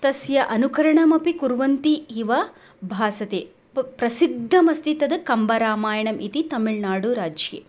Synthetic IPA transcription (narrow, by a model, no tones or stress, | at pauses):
t̪ɐsjɐʔɐnukɐɾɐɳɐmɐpikuɾʋɐnt̪iiʋɐ | bʱaːsɐt̪eː | pɾɐsid̪ʱːɐmɐst̪it̪ɐd̪ɨkɐmbɐɾaːmaːjɐɳɐmʔit̪it̪ɐmiɭnaːɽuɾaːd͡ʒjḛː